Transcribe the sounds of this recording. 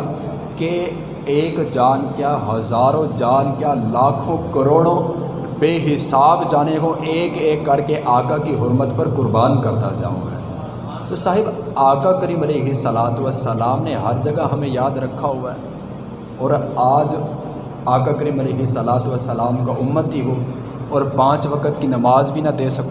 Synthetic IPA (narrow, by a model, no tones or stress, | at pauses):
ke | eːkd͡ʒaːnkjaːɦɐzaːɾõd͡ʒaːnkjaːlaːkʰõkɐɾoːɽ̃õ | beːɦɪsaːbd͡ʒaːnekoʔeːkeːkːɐɾkeʔaːkakiɦʊɾmət̪pɐɾkʊɾbaːnkɐɾt̪ad͡ʒa̰ːõ̰ɦɛ̰ː | t̪osaːɦɪbaːkakəɾiːmɐleːɦɪsɐlaːt̪ʋəsəlaːmneɦɐɾd͡ʒɐɡaɦɐmẽjaːd̪ɾɐkʰːaɦʊaɦɛ | ɔːɾaːd͡ʒ | aːkakəɾiːmɐleːɦɪsəlaːt̪uʋəsəlaːmkaʔʊmːət̪biɦo | ɔːɾpãːt͡ʃʋɐkət̪kinɐmaːzbʱinɐd̪eːsɐk̪ː